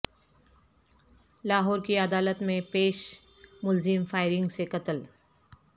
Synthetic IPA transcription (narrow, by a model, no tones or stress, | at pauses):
laːɦɔːɾkiɐd̪aːlət̪mẽpeːʃ | mʊlzɪmfaːɪɾɪ̃ŋɡsekɐt̪əl